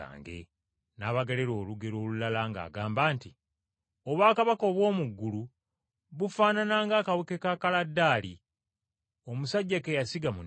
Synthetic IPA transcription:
a̰ːŋɡe̞̰ | naːβaɡeleɾo̞ːluɡe̞ɾoːlulalaŋɡa̰ːɡaːmbaːnti | o̞βwaːkaβako̞βwo̞ːmuɡːulu | βufaːnanaːŋɡaːkawekekakaladːaːli | o̞musaɟːakejasiɡamu

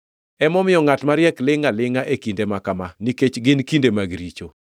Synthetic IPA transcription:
ɛmɔmɪjɔŋatmaɾjɛklɪŋalɪŋaʔekindemakamaniket͡ʃɡɪnkindemaɡɾit͡ʃo

